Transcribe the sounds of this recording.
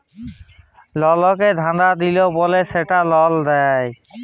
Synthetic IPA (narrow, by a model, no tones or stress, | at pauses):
lɔlɔked̪ʱãnd̪ad̪iloboleseʈalɔld̪ɛj